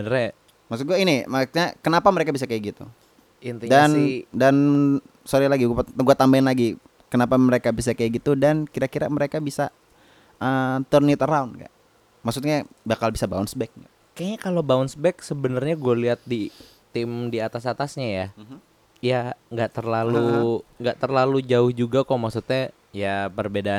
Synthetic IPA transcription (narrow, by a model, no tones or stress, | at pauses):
bənrɲa | maksut̪̚ɡuainimaksut̪ɲakənapaməɾekabisakajaɡit̪ṵ | int̪dandan | soɾilaɡiɡpɡuat̪ambaɪnlaɡi | kənapaməɾekabisakajaɡit̪udankiɾakiɾa̰məɾekabisa | ət̪ərnit̪əɾaunɡa̰ʔ | maksut̪ɲabakalbisabaʊnsbɛk̚ŋɡa̰ʔ | kaɲakalobaʊnsbɛksəbənərɲaɡualiɦat̪̚di | t̪ɪmdiat̪asat̪asɲaja | jaŋɡaʔt̪ərlaluŋɡaʔt̪ərlalud͡ʒaʊhd͡ʒuɡakɔmaksut̪̚ɲa | japərbedaa